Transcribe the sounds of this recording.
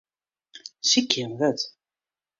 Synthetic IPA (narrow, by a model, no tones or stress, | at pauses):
sikːimðæt͡sː